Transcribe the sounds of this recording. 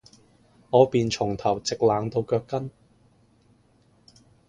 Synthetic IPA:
ŋɔː˨˧piː˨nt͡ʃʰʊ˨˩ŋt̪ʰɐ˨˩wt͡sɪ˨k̚laː˨˧ŋt̪o˧wkœː˧kːɐ˥n

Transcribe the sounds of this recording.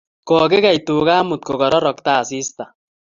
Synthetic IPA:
kɔkɪ˦ɣa˨jt̪uː˨ɣaː˦mʊ˨t̪̚ko˨ɡɔ˨ɾɔ˦ɾɔ˨kt̪a˦˨si˦st̪a˨

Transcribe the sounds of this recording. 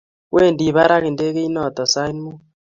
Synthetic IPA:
wʔe˦˨ndi˨βa˦ɾa˦ɣe˨nde˦ɣe˦i˦nɔ˦˨tɔ˨sa˦i˦nmu˦

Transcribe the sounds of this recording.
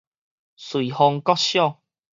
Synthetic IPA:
swi˨hɔ˧ŋkɔ˥˦ɕjɔ˥˨ŋ

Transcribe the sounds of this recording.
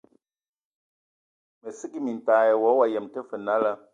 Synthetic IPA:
mə˨si˦ki˦mi˨n̩˨taː˨˦jɛ˨wɔ˨˦wa˨jɛ˨mtə˦fə˨na˦la˦

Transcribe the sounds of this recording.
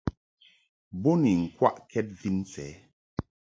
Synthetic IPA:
bɔ˦ni˨ŋ̩˨kwa˦ʔkʰɛ˦t̚vi˦n˦t͡sɛ̰ː˨˦

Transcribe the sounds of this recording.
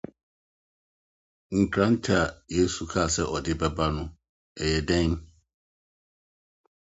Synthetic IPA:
ŋ̩˨kʰɾã˦n̩˦tʰi˦a˨je˦su˨kʰa˦˨sɛ˦ʔɔ˨dɪ˦bɛ˦ba˦nʊ̃˨ | ɛ˨jɛ˨dɛ̃˦n

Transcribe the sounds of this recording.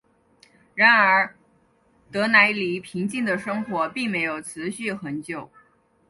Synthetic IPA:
ɻa˧˥nə˞˧˥ | t̪ɤ˧˥na˧˥ɪli˨˥pʰi˧˥ŋt͡ɕi˥˩ŋd̪ə˩ʂɤ˥ŋxwɔ˧˥pi˥˩ŋme˧˥ɪjo˨˩ʊt͡sʰɹ̩˧˥ɕy˥˩xə˧˥nt͡ɕjo˨˩ʊ

